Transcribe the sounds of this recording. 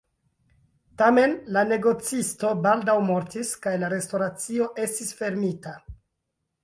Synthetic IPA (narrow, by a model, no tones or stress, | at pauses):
tame̞nlane̞ɡo̞t͡sisto̞baldawmo̞ɾtiskajlaɾe̞sto̞ɾat͡sio̞ʔe̞stisfe̞ɾmita